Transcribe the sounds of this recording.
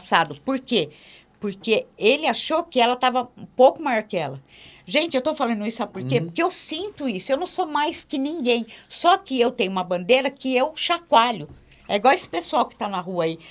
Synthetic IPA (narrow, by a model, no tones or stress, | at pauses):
sad̪ʊpoɾke | poɾkeelɪaʃokɪɛlɐt̪avɐũpowkʊmajɔɾkɪɛlɐ | ʒẽnt͡ʃɪewt̪ofalɐ̃nd̪ʊisʊapoɾkepoɾkeewsĩnt̪ʊisʊewnɐ̃w̃somajskɪnĩŋɡẽj̃sɔkɪewt̪ẽj̃ʊũmɐbɐ̃nd̪eɾɐkɪewʃakwaʎʊ | ɛiɡwawesɪ̥pesuawkɪ̥t̪anɐɦuɐai